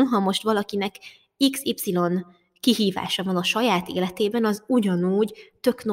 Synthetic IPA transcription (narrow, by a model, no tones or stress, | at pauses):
nɦɒmo̞ʃt̪ʋɒlɒkinɛk | iksipsilo̞n | kiɦiːva̰ːʃɒvɒnɒʃɒjaːt̪ḛːlɛt̪eːbɛnɒzuɟɒnuːɟt̪ø̞kno